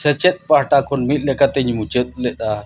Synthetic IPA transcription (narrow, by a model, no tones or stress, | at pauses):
sɐt͡ʃet̪̚paʈakʰonmit̪̚ˀlekat̪eɲmut͡ʃet̪̚lɛɗ̪a